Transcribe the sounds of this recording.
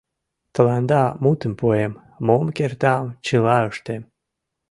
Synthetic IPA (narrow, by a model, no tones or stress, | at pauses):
t̪ə̆lɑnd̪ɑmut̪əmpuemː | omkert̪ɑmt͡ɕəlɑəʃt̪em